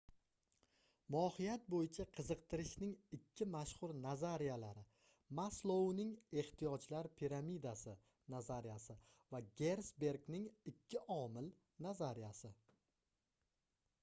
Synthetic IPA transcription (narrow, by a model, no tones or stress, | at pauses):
mɒːhijat̪̚bojɪt͡ʃʰaqʰɨzɨqt̪ʰɪɾɪʃnɪŋɪkʲʰːɪmaʃhʊɾnazaɾijalaɾɪ | maslˠownɪŋe̞ht̪ijɒd͡ʒlaɾpʰiɾamid̪asɪ | nazaɾijasɪ | vaɡʲe̞ɾsbe̞ɾɡnɪŋɪkʲʰːɪʔɒmɪl | nazaɾijasɪ